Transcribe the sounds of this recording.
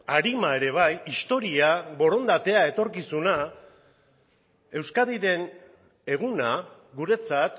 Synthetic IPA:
aɾimae̞ɾe̞β̞ajist̪o̞ɾiaβo̞ɾo̞nd̪at̪e̞ae̞t̪o̞ɾkisuna | e̞wskaðiɾe̞n | e̞ɣ̞una | ɣuɾe̞t͡sat̪

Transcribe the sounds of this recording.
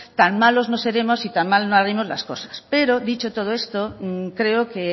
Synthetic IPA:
t̪aŋmaloznose̞ɾe̞mosit̪aŋmalnoaɾemozla̰skosḁspeɾoðit͡ʃot̪oð̞oe̞st̪okɾe̞oke

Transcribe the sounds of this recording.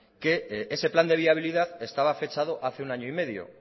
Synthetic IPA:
ke̞ese̞pland̪eβiaβ̞iliðaðe̞st̪aβ̞afe̞t͡ʃað̞o̞ʔaθe̞unaɲoime̞ðjo̰

